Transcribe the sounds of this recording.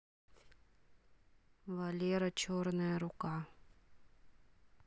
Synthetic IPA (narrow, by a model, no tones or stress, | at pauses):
valʲeɾɐt͡ɕornəjəɾʊka